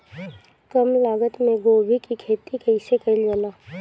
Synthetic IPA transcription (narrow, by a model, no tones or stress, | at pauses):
kɐmlaːɡət̪mẽɡoːbʱikikʰeːt̪ikɐɪsekɐiljoːnaː